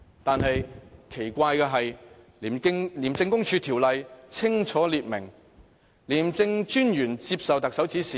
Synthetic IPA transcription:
t̪aː˨nɦɐ˨jkʰe˨˩jkʷaː˧jkɛː˧ɦɐ˨jliː˨˩m˥ŋliː˨˩mt͡sɪ˧ŋkʊ˥ŋt͡ʃʰyː˧t̪ʰiː˨˩wlɐ˨jt͡sʰɪ˥ŋt͡ʃʰɔː˨˥liː˨t̚mɪ̰˨˩ŋ | liː˨˩mt͡sɪ˧ŋt͡ʃyː˥njyː˨˩nt͡siː˧p̚sɐ˨wt̪ɐ˨k̚sɐ˨˥wt͡siː˨˥siː˨˦

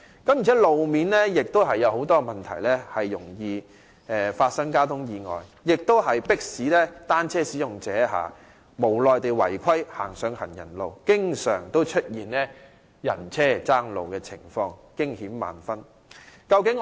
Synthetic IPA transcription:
kɐ˨˦mji˨˩t͡sʰɛː˨˥lo˨wmiː˨nlɛː˥jɪ˨k̚t̪o˥wɦɐ˨jːɐ˨˧who˨˥wt̪ɔː˥˨mɐ˨nt̪ʰɐ̰˨˩jlɛː˥hɐ˨jːʊ˨˩ŋjiː˧ | ʔɛː˨faː˧t̚sɐ˥ŋkaː˥wt̪ʰʊ˥ŋjiː˨˧ŋɔ̰ː˨jjɪ˨k̚t̪o˥whɐ˨jpɪ˥k̚siː˨˥lɛː˥t̪aː˥nt͡sʰɛː˥siː˨˥jʊ˨ŋt͡sɛː˨˥ɦa̰ː˨ | mo˨˩wlɔː˨jt̪e˨jwɐ̰˨˩jkʷʰɐ˥jha̰ː˨˩ŋsœː˨˧ŋhɐ˨˩njɐ̰˨˩nlo˨wkɪ˥ŋsœː˨˩ŋt̪o˥wt͡ʃʰɵ˥t̚jiː˨˩nlɛː˥ | jɐ̰˨˩nt͡sʰɛː˥˩t͡saː˥ŋlo̰˨wkɛː˧t͡sʰɪ̰˨˩ŋfɔː˧ŋkɪ˥ŋhiː˨˥mːa̰ː˨nfɐ˥n | kɐ˧wkɪ˨˥ŋ

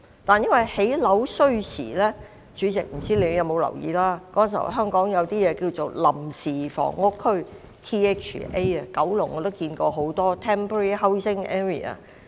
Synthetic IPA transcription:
t̪aː˨˩njɐ˥nwɐ˨jhe˨˥jlɐ˨˥wsɵ˥ɥsḭː˨˩lɛː˥ | t͡ʃyː˨˧˥t͡sɪ˨k̚m̩˨˩t͡siː˥le˨˧jɐ˨˧wmo˨˧wlɐ̰˨˩wjiː˨˧˥laː˥kɔː˨˦˥nsḭ˨˩ɦœː˥ŋkɔː˨˥ŋjɐ˨˧wt̪iː˥jɛː˨˧kiː˧wt͡so˨˩wlɐ˨˩msiː˨˩fɔ̰ː˨˩ŋːʊ˥kʰːɵ˥ɥ | t̪ʰiː˥ɛː˥t͡ʃːʔe˥jɐ˨kɐ˨˥wlʊ˨˩ŋːɔː˨˧t̪o˥wkiː˧nkɔː˧ɦo˨˥wt̪ɔː˥t̪ʰɛː˥mpʰo˧ɹi˥hɐ˥wsɪ˥ŋɛː˥ɹḭ˨˩ɐ̰˨˩

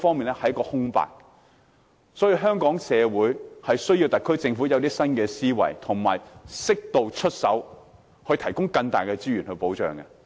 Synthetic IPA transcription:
fɔː˥ŋmiː˨nɛ˥hɐ˨˥jkːɔː˧hʊ˥ŋpa̰ː˨k̚ | sɔ˨˥jiː˧wɦœː˥ŋkɔː˨˥ŋsɛː˨˧wuː˨˥jhɐ˨jsɵ˥ɥjiː˧wt̪ɐ˨kʰːɵ˥jt͡sɪ˧ŋfu˨˥jɐ˨˧wt̪̬iː˥sɐ˥nkɛː˧siː˥wɐ̰˨˩jt̪ʰʊ˨˩ŋma̰ː˨˩jsɪ˥k̚t̪o˨wt͡ʃʰɵ˥t̚sɐ˨˥w | hɵ˧jt̪ʰɐ˨˩jkʊ˥ŋkɐ˧ŋt̪a̰ː˨jkɛː˧t͡siː˥jyː˨˩nhɵ˧ɥpo˨˥wt͡ʃœ̰ː˨ŋkɐ˧

